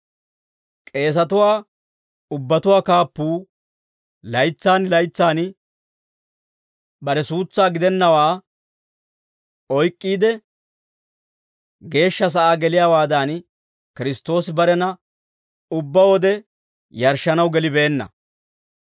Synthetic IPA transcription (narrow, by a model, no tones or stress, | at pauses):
kʼe̞ːs̬ɐt̪ʊwaː | ʊbːɐt̪ʊwaːkaːpːuː | lɐjt͡sːaːnlɐjt͡sːaːn | bɐɾɛsuːt͡sːaːɡɪd̪ɛnːɐwaː | ɔjkʼːiːd̪ɛ | ɡe̞ːʃːɐs̬ɐʔaːɡɛlɪjaːwaːd̪aːn | kɪɾɪst̪o̞ːsɪbɐɾɛnɐ | ʊbːɐwɔd̪ɛ | jɐɾʃːɐnɐwɡɛlɪbe̞ːnːɐ̰